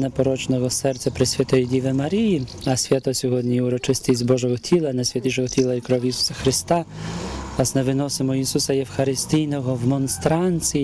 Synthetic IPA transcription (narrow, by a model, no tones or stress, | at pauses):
nɛpɔɾɔt͡ʃnɔɦɔsɛrt͡sʲɐpɾɪsʲʋʲɐt̪ɔjidʲiʋˠɪmɐɾʲijiɐsʲʋʲat̪ɔsʲɔɦɔdʲnʲijʊɾɔt͡ʃɪsʲt̪ʲisʲzʲbɔʒɔɦɔtʲʰilˠɐnɛsʲʋʲɐt̪iʃɔɦɔtʲilˠɐikɾɔwjisu̥sɐxɾɪst̪ɑ | lˠɑsnɛʋɪnɔsɪmɔisusɐjɛwxɐɾɪst̪ijnɔɦɔwmɔnst̪ɾɑnʲt͡sʲi